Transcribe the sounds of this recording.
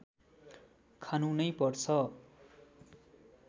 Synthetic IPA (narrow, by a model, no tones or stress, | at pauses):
kʰanũnʌjpʌrt͡sʰʌ